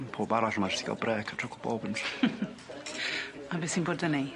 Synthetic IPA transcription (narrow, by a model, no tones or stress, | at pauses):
pʰoːb̥aɾaɬəmad͡ʒɪstiɡa̰lˠbrɛːkʰatʰrʊkʰəlˠb̥ɔ̰ːbəns | abɪːsinboːdəni